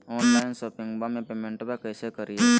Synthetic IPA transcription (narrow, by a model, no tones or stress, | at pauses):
ɔ̃ːnlaɪnsɔːpɪ̃ŋɡbamẽpeːmẽɳʈbakɛːsekəɾie